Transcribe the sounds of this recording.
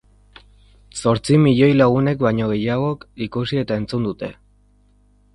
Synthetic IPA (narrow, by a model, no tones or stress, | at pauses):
so̞ɾt͡simiʎo̞jlaɣune̞kβajɲo̞ɣ̞e̞jaɣ̞o̞kikusie̞t̪ae̞nt͡sund̪ut̪e̞